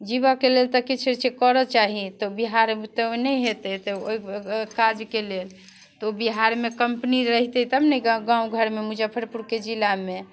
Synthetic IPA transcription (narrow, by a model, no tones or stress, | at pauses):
d͡ʒibakelelt̪ɔkit͡ʃʰɾt͡ʃekɔɾɔt͡ʃaɦit̪ɔbiɦaɾt̪ɔnəjɦet̪ɛt̪ɔoikad͡ʒkelel | t̪ɔobiɦaɾmekəmpniɾəɦit̪ɛt̪əbnɛɡãũɡʱəɾmemud͡ʒapʰəɾpuɾked͡ʒilame